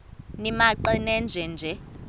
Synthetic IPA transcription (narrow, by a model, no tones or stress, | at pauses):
nimaǃɛnɛnd͡ʒʱɛnd͡ʒʱɛ